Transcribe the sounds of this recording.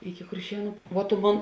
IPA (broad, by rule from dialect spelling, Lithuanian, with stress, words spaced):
ɪkʲɪ kʊrʲˈʃʲiɛnʊ ʋuɔ tʊ ˈmoːn